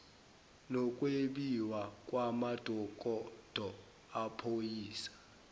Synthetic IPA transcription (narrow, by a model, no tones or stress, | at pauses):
nɔkʼweɓiwakʼwamad̥ʱɔk̬ʼɔd̥ʱɔ | apʰojiːsḁ